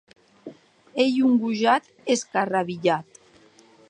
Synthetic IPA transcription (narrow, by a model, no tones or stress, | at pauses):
ejuŋɡuʒat̪ | eskaraβiʎat̪